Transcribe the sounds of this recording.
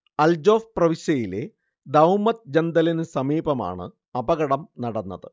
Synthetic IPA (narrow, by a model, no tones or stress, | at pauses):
ɐld͡ʑo̞ːfprɐʋiɕɐjile̞̰ | d̪ɐwmɐt̪̚d͡ʑɐnd̪ɐlɐnɨsɐmiːbɐma̰ːɳɨ̰ | ɐbɐɣɐɽɐmnɐɽɐnːɐðɨ